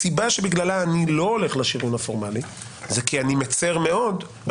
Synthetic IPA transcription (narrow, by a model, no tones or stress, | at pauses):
sibaʃebiɡlalaːnilo̞ole̞χlaʃiʁunafo̞ʁmali | zekianimet͡seʁme̞o̞d̪ | b